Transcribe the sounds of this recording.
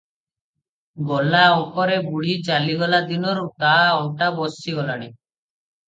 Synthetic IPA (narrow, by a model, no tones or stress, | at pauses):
ɡɔlaupɔɾebuɽit͡ʃaliɡɔlad̪inɔɾut̪aɔʈabɔsiɡɔlaɽ̃i